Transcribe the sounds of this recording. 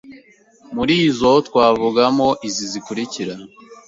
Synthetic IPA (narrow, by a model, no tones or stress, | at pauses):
muɾiːzotkwaːvuɡamo̞ʔizizikuɾiciɾa